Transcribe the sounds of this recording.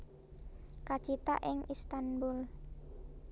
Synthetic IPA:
kḁt͡ʃit̪a̰ʔɪŋʔist̪anbʊl

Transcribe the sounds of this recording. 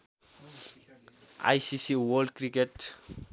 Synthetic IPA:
a̰jsisiwolɖ̚kɾikeʈ

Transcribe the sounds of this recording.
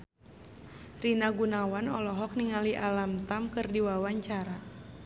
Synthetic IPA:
rinaɡunawanɔlɔɦɔk̚niŋaliʔalamt̪amkɨrdiwawaɲt͡ʃaɾa

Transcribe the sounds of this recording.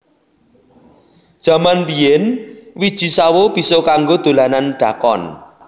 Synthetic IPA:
d̥ʒ̥a̤manbijɛnwid̥ʒ̥i̤sawob̥i̤sɔkaŋɡod̪̥o̤lananɖ̥a̤kɔ̰n

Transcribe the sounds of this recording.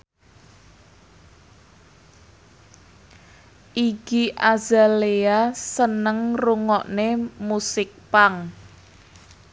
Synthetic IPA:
ʔiɡiʔaza̤leasənəŋruŋɔʔnemusɪk̚paŋ

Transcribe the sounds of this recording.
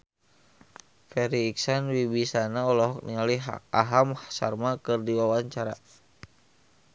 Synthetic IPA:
fɛɾiːksanwibisanaɔlɔɦɔk̚niŋaliaɦamhasa̰rmakɨrdiwawaɲt͡ʃaɾa̰

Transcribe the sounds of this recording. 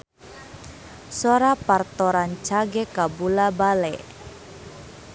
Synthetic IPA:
sɔɾapart̪ɔɾant͡ʃaɡɛkabulabalɛ̰

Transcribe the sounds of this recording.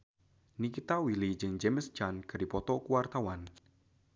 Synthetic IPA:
nikit̪awilid͡ʒɨŋd͡ʒeməst͡ʃanɡ̥a̤dipɔt̪ɔkuwart̪awan

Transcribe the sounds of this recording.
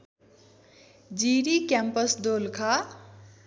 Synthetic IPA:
d͡ʒiɾikjampʌsd̪olkʰa

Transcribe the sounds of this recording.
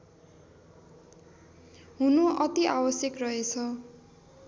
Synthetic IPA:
ɦunoʔʌt̪iabʌsjʌkrʌɦet͡sʰʌ

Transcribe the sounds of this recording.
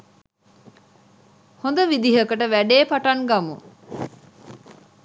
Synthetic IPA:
hond̪əʋid̪iɦəkəʈəʋæɖeːpaʈaŋɡamṵ

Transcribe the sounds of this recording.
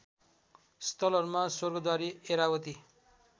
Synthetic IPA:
st̪ʌlʌɾumasorɡʌd̪waɾieɾawʌt̪i

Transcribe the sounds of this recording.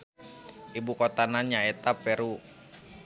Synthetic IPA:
ibukot̪anaɲaɛt̪apɛɾu

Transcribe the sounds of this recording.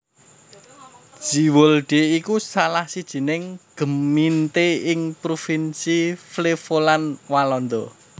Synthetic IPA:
ʒ̥iwɔlɖ̥e̤ikusalahsid̥ʒ̥i̤nɪŋɡ̥ə̤mint̪eɪŋpɾofinsiflefolanwalɔnd̪ɔ

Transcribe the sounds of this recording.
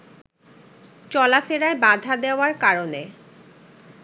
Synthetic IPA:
t͡ɕɔlafeɾaebad̪ʱad̪eoaɾkaɾone

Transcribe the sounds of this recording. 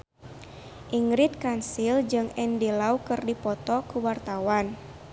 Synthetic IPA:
ʔiŋɾit̪̚kansild͡ʒɨŋɛndilaukɨrdipɔt̪ɔkuwart̪awan

